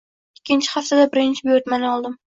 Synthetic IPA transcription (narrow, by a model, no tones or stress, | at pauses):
ɪkʲʰːɪnt͡ʃʰɪ̥haft̪ʰad̪abɪɾɪnt͡ʃʰɪboɾt̪manɒlˠd̪ɪm